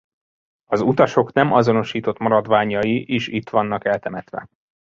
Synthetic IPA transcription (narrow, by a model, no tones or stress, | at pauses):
ɒzut̪ɒʃo̞knɛmɒzo̞no̞ʃiːt̪o̞t̪mɒɾɒd̪ʋaːɲɒjiʔeːʃit̪ʋɒnːɒkɛlt̪ɛmɛt̪ʋɛ̰